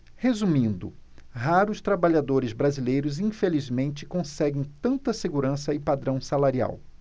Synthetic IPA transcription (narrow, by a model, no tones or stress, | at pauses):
hezumĩnd̪ʊ̰ɦaɾʊst̪ɾabaʎad̪oɾɪzbɾazilejɾʊzĩfelizmẽnt͡ʃɪ̥kõsɛɡẽj̃t̪ɐ̃nt̪ɐseɡuɾɐ̃sɐɪpad̪ɾɐ̃w̃salaɾia̰w